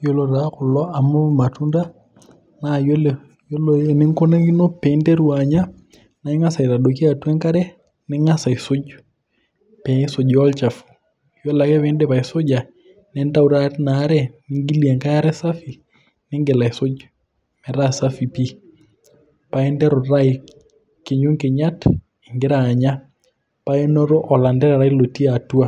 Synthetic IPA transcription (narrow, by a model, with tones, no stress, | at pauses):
jo˦lo˨ɾa˨kʊ˨lɔ˦a˨mu˦ma˨tu˦nda˦ | najo˦l | jo˦loɛ˨nɪ˦ŋko˦na˦ki˦no˦pɛ˨˦ndɛ˦ɾu˨a˨ɲa˦ | na˨i˦ŋa˦sa˨i˨ɾa˨do˨ki˦a˨twɛ˦ŋka˦ɾɛ˦ | nɪ˦ŋa˦sa˨i˨so˦d͡ʒ | pɛ˨ɪ˦so˨d͡ʒɔ˦lt͡ʃa˨fu̥ | jɔla˨kɛ˦βɛ˦ndɛ˦pa˨i˨so˦d͡ʒa˨ | nɛ˦nda˦u˦ɾana˦ɾɛ˦ni˦ŋɡi˦li˨ɛ˨ŋka˦ja˦ɾɛ˦sa˦fi˨ | nɪ˦ŋɡe˨la˨so˦d͡ʒ | mɛ˨ɾa˦sa˦fi˨pi˦ | pa˨ɛ˦ndɛ˦ɾo˨ɾa˦i | ke˨ɲo˦ŋke˨ɲa˦t | i˨ŋɡe˦ɾaː˨ɲa˦ | pa˦ɛ˦nɔ˦ɾo˦ʔɔ˨la˨ndɛ˦ɾa˨ɾa˦i˦lo˨ti˦a˨tu˦a˦